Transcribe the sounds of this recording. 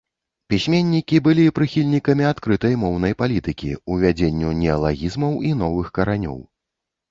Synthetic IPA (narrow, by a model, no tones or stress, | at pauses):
pʲisʲmʲenʲːikʲibɨlʲipɾɨxʲilʲnʲikɐmʲiat̪kɾɨt̪ɐjmɔwnɐjpalʲit̪ɨkʲḭuvʲad͡zʲenʲːunʲɛɐlˠaɣʲizmɐwin̪ɔvɨxkɐɾanʲɔ̰w